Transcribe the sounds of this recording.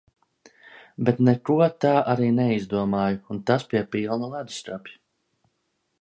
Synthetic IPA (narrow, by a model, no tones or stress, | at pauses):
bɛt̪nɛkuɔt̪aːʔaɾiːnɛizd̪uɔmaːjuːnt̪aspiɛpilˠnulˠad̪̥st̪ɾapʲi̥